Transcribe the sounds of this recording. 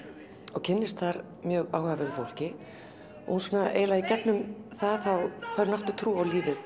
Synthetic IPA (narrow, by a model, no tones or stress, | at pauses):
ɔɣcʰɪnːɪst̪θaɾ̥ | mjœːɣaːwhavɪɾʏθowl̥cɪ | ɔ̰ɣhunsɔːnaʔḛːjlaðicɛp̪nʏmθaðθawkʰaɾnaht̪ʏt̪ʰɾuːawliːvɪ